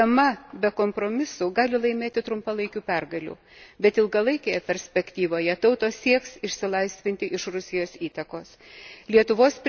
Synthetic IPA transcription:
ɐmɐbʲɛkoːmpɾoːmʲɪsʊɡɑːlʲɪlˠɐɪmʲeːt̪ʲɪt̪ɾʊmpɐlˠɐɪkʲuːpʲɛrɡɐlʲṵː | bʲɛt̪ɪlˠɡɐlˠɐɪkʲeːjɛpʲɛɾʲsʲpʲɛkʲt̪ʲiːʋoːjɛt̪ɐʊt̪oːsʲiɛksɪʃʲsʲɪlˠɐɪsʲʋʲɪnʲt̪ʲɪʔɪʃɾʊsʲɪjoːsiːt̪ɐkoːs | lʲiɛt̪ʊʋoːspʲ

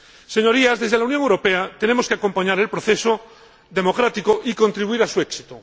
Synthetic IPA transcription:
se̞ɲo̞ɾiazðe̞zðelaunjoŋewɾo̞peat̪e̞nemo̞skeako̞mpaɲaɾe̞lpɾoθeso | ðe̞mo̞kɾat̪ikoʔiko̞nt̪ɾiβuiɾasueksi̥t̪o

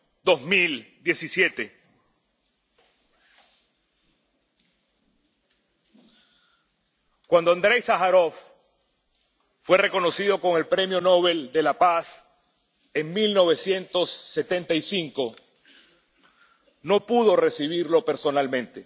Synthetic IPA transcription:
d̪ozmild̪je̞sisje̞t̪e̞ | kwand̪oand̪ɾe̞jsaxaɾof | fwe̞re̞ko̞no̞sið̞o̞ko̞ŋe̞lpɾe̞mjo̞no̞β̞e̞ld̪e̞lapas | eŋmilno̞β̞e̞sje̞nt̪o̞sːe̞t̪ent̪aisiŋko̞ | no̞puð̞o̞re̞siβ̞iɾlo̞pe̞ɾso̞nalmẽ̞nt̪e̞

